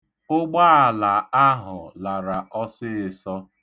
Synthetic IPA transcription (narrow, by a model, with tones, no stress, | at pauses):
ʊ˦ɡ͡ba˦a˨la˨a˦ɦʊ˨la˨ɾa˨ʔɔ˦sɪ˦ɪ˨sɔ˦